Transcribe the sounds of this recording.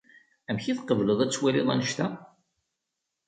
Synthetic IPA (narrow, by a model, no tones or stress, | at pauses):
æmçiθqəvləðˤæt͡sːwæliðˤæ̰nəʃt̪æ